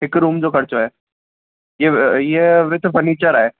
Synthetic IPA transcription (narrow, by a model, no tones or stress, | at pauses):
ɦɪkɾuːmd͡zokʰəɽt͡soɦɛ | jejeʋɪt̪bʱənit͡ɕaɾaːɦe